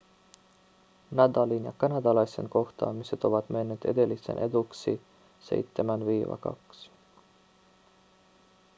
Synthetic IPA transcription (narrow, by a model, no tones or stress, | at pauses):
nɑd̪ɑlinjɑ̰kɑnɑd̪ɑlɑjsenko̞xt̪ɑ̰ːmise̞t̪o̞ʋɑt̪me̞nːeːt̪e̞d̪e̞lːisḛnʔe̞d̪uksi | se̞̰jt̪ːemænviːʋɑ̰kɑ̰ks